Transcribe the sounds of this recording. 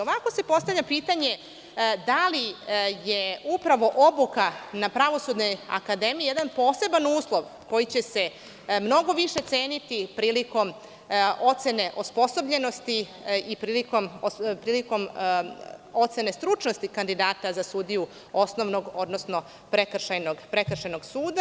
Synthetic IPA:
oʋako̞se̞po̞st̪aʋʎʲapit̪aɲe̞ | d̪alijeupɾaʋo̞ʔobukanapɾaʋo̞sud̪no̞ja̰kad̪e̞mijijed̪anpo̞ːse̞banuːslˠo̞ʋko̞jit͡ɕe̞se̞ | mno̞ɡo̞ʋiʃe̞t̪se̞ːnit̪ipɾiːliko̞m | o̞t̪se̞ne̞ʔospo̞so̞bʎe̞no̞st̪iipɾiːliko̞mopɾiːliko̞m | ot̪se̞ne̞st̪ɾut͡ʃnost̪ikand̪id̪aːt̪azasuːd̪iju | o̞sno̞ʋnoɡo̞d̪nosno̞ | pɾekr̩ʃajnoɡpɾekr̩ʃenoɡsuːd̪a

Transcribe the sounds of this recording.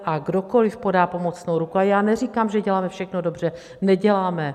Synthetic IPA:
ʔaɡdo̞ko̞lɪfpo̞daːpo̞mo̞t͡snowɾukuajaːnɛr̝ikaːmʒɛɟɛlaːmɛfʃɛxnodo̞br̝̥ɛ | nɛɟɛlaːmɛ

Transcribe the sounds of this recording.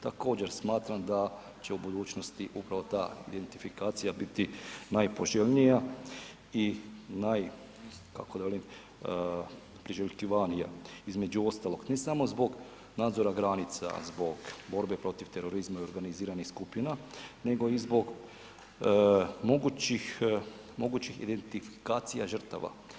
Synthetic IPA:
t̪ako̞ːd͡ʑe̞ɾsmaːt̪ɾamd̪a | t͡ɕe̞ubud̪uːt͡ɕnost̪iʔupɾaʋo̞t̪aːḭd̪e̞nt̪ifikaːt̪sijabit̪inajpo̞ʒeʎnija | inaj | ka̰kod̪aʋelim | pɾiʒelʲkiʋanijaizme̞d͡ʑuo̞st̪alˠo̞ɡnesamo̞zbo̞ɡ | naːd̪zo̞ɾaɡɾanit̪sa̰zbo̞ɡbo̞ɾbe̞pɾo̞t̪iʋt̪e̞ɾo̞ɾizmaio̞ɾɡaniziːɾanixskupjinane̞ɡo̞izbo̞ɡ | mo̞ɡut͡ɕix | mo̞ɡut͡ɕixḭd̪e̞nt̪ifi̥kaːt̪sijaʒər̩ɾ̩t̪a̰ʋa̰

